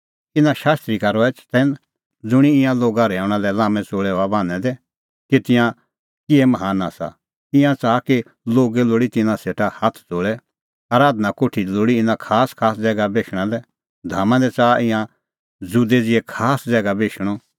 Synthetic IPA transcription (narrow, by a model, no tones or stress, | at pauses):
ɪnãʃaːst̪ɾikaɾɔɛt͡ʃt̪ɛn | d͡zʊɽ̃iɪ̃jãloːɡaɾɛːʊɽ̃ãlɛlãːmɛ̃t͡soːɭɛoabãːnɛ̃d̪ɛ | kit̪ɪ̃jã | kɪɛmɐɦaːna̰ːsa̰ | ɪ̃jãt͡saːki | loːɡɛloːɽit̪ɪnãseːʈʰahat̪ʰd͡zoːɭɛ | aːɾaːd̪nakoːʈʰiloːɽiɪnãkʰaːskʰaːsd͡zɛːɡabeːʃʰɽ̃alɛ | d̪ʱaːmãd̪ɛt͡saːʔɪ̃jã | d͡zʊd̪ɛd͡zɪɛkʰaːsd͡zɛːɡabeːʃɽ̃ɔ